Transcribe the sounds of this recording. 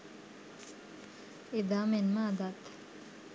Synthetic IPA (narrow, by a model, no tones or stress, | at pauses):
ed̪aːmenməːd̪at̪